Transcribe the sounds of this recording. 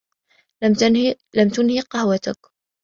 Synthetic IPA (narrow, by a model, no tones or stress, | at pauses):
lamt̪ʊnhiːqɑhwat̪ak